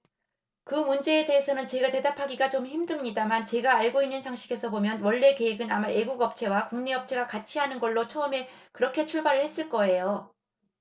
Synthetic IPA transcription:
kɯmund͡ʑe̞ːde̞ɦːsʰʌnɯnt͡ɕe̞ɡate̞dapʰaɡiɡat͡ɕomçimdɯmɲidamant͡ɕe̞ɡaːɭɡoinːɯnsʰaŋɕʰiɡe̞sʰʌbomjʌnwʌɭːe̞keɦeɡɯnamaʔe̞ɡuɡʌp̚t͡ɕʰe̞wakuŋneʌp̚t͡ɕʰe̞ɡakat͡ɕʰiɦanɯnɡʌɭːot͡ɕʰʌʌme̞kɯɾʌkʰe̞t͡ɕʰuɭbaɾɯɭhes͈ɯɭk͈ʌe̞jo

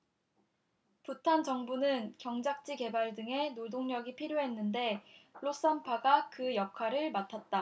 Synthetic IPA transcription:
putʰant͡ɕʌŋbunɯnkjʌŋd͡ʑak̚t͡ɕ͈ike̞baɭdɯŋe̞nodoŋɲʌɡipʰiɾjoɦe̞nːɯnde̞ɭos͈anpʰaɡakɯjʌkʰwaɾɯɭmatʰat̚t͈a

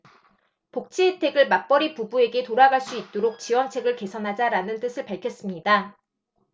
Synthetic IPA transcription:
pok̚t͡ɕ͈ʰietʰe̞ɡɯɭmak̚p͈ʌɾipubue̞ɡe̞toɾaɡaɭs͈uit̚t͈oɾok̚t͡ɕiwʌnt͡ɕʰe̞ɡɯɭke̞sʰʌnɦad͡ʑaɾanɯnt͈ɯsʰɯɭpaɭkʰjʌs͈ɯmɲida

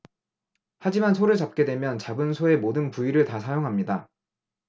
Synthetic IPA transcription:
had͡ʑimansʰoɾɯɭt͡ɕap̚k͈e̞dwe̞mjʌnt͡ɕabɯnsʰoe̞modɯnpuiɾɯɭtasʰajoŋɦamɲida

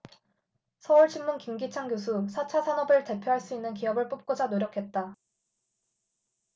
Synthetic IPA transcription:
sʰʌuɭɕʰinmːunkimɡit͡ɕʰaŋɡjosʰusʰat͡ɕʰasʰanʌbɯɭte̞pʰjoɦaɭs͈uinːɯnkiʌbɯɭp͈up̚k͈od͡ʑanoɾjʌkʰe̞t̚t͈a

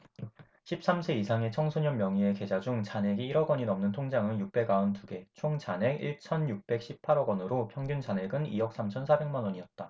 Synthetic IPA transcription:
ɕʰip̚s͈amsʰeisʰaŋe̞t͡ɕʰʌŋsʰoɲʌmːjʌŋie̞ke̞d͡ʑad͡ʑuŋt͡ɕanɦe̞ɡiiɾʌɡwʌɲinʌmnɯntʰoŋd͡ʑaŋɯnjuk̚p͈e̞ɡaʌntuɡe̞t͡ɕʰoŋt͡ɕane̞ɡiɭt͡ɕʰʌnjuk̚p͈e̞k̚ɕ͈ʰip̚pʰaɾʌɡwʌnɯɾopʰjʌŋɡjund͡ʑane̞ɡɯniʌk̚s͈amt͡ɕʰʌnsʰabe̞ŋmanwʌɲiʌt̚t͈a

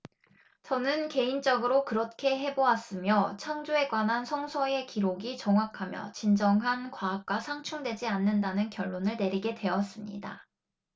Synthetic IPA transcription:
t͡ɕʌnɯnke̞int͡ɕ͈ʌɡɯɾokɯɾʌt̚kʰe̞ɦe̞boas͈ɯmjʌt͡ɕʰaŋd͡ʑoe̞ɡwanɦansʰʌŋsʰʌe̞kiɾoɡit͡ɕʌŋɦwakʰamjʌ̰t͡ɕind͡ʑʌŋɦankwaːk̚k͈wasʰaŋt͡ɕʰuŋdwe̞d͡ʑianːɯndanɯnkjʌɭːonɯɭne̞ɾiɡe̞dwe̞ʌs͈ɯmɲḭda̰

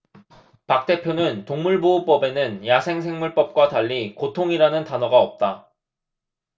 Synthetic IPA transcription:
pak̚t͈e̞pʰjonɯntoŋmuɭboup͈ʌbe̞nɯnjasʰe̞ŋsʰe̞ŋmuɭp͈ʌp̚k͈wataʎːikotʰoŋiɾanɯntanʌɡaʌp̚t͈a

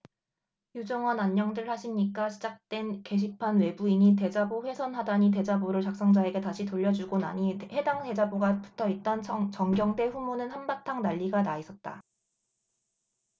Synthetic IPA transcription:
jud͡ʑʌŋʌnaɲːʌŋdɯɭhaɕʰiɲik͈aɕʰid͡ʑak̚t͈we̞nke̞ɕ̬ʰipʰanwe̞buiɲit̬e̞d͡ʑaboɸwe̞sʰʌnɦadaɲit̬e̞d͡ʑaboɾɯɭt͡ɕak̚s͈ʌŋd͡ʑae̞ɡe̞taɕʰitoʎːʌd͡ʑuɡona̰ɲihe̞daŋte̞d͡ʑaboɡapu̥tʰʌit̚t͈ʌnt͡ɕʌŋɡjʌŋde̞ɸumonɯnhanbatʰaŋnaʎːiɡanaisʰʌt̚t͈a̰

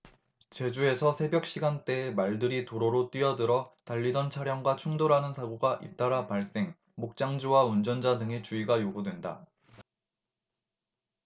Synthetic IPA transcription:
t͡ɕe̞d͡ʑue̞sʰʌsʰe̞bjʌk̚ɕ͈iɡant͈e̞emaɭdɯɾitoɾoɾot͈ɥiʌdɯɾʌtaʎːidʌnt͡ɕʰaɾjʌŋɡwat͡ɕʰuŋdoɾɦanɯnsʰaɡoɡaʔḭt͈aɾapaɭs͈e̞ŋ | mok̚t͡ɕ͈aŋd͡ʑuwaund͡ʑʌnd͡ʑadɯŋe̞t͡ɕuiɡajoɡudwe̞nda̰

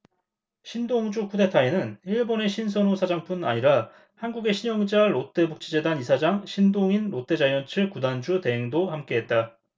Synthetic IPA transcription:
ɕʰindoŋd͡ʑukʰude̞tʰaenɯniɭbone̞ɕʰins̬ʰʌnosʰad͡ʑaŋp͈una̰ɲiɾa | hanɡuɡe̞ɕʰiɲʌŋd͡ʑaɾot͈ʰe̞buk̚t͡ɕ͈ʰid͡ʑe̞danisʰad͡ʑaŋɕʰindoŋinɾot͈ʰe̞d͡ʑajʌnt͡ɕʰɯɭkudand͡ʑute̞ɦeŋdohamk͈e̞ɦet̚t͈a

